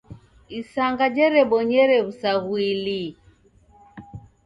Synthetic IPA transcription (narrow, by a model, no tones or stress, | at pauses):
isaŋɡad͡ʒɛɾɛɓɔɲɛɾɛβusaɣwili